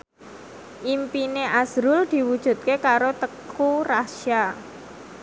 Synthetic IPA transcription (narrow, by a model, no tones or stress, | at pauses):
ʔimpineʔasɾʊld̪̥i̤wud̥ʒ̥ṳt̪̚kekaɾot̪əkuraʃja